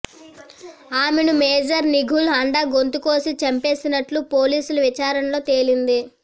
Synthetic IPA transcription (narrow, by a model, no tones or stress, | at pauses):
aːmenumeːd͡ʒɐɾniɡʱulɐɳɖɐɡo̞nt̪uko̞ːsit͡ʃɐmpe̞ːsinɐʈlupo̞ːliːsuluʋit͡ʃaːɾɐnɐlo̞ːt̪e̞ːlind̪i